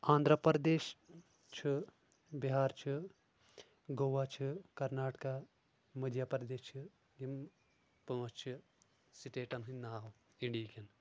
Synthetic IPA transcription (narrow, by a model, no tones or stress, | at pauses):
ãːnd̪ɾɐpɾd̪eːʃ | t͡ʃʰi | biɦaːɾt͡ʃʰi | ɡoːʋat͡ʃʰikɐɾnaːʈka | mɐd̪jɐpɾɐd̪eːʃt͡ʃʰi | jim | pɐːst͡ʃʰi | siʈeːʈɐnɦɨnʲnaːɦ | iɳɖikʲɐn